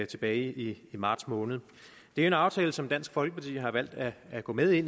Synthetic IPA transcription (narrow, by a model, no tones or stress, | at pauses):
t͡sʰe̝b̥ɛːɪiimɑ̈ːd̥smɔ̽ːnð̩ˠ | d̥eæɐe̝nɑ̈ʊt͡sʰɛːləsɒ̽md̥æn̰sɡ̥fɒ̽lɡ̥əpʰɑt͡sʰḭːɦɑ̈ʋæl̰d̥æːɡ̥ɔ̰̽ːmeðˠe̝n̰